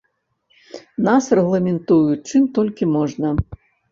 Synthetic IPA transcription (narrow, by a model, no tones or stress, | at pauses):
nasrɛɣlˠɐmʲɛnt̪ujut͡ʂɨmt̪ɔlʲkʲimɔʐnɐ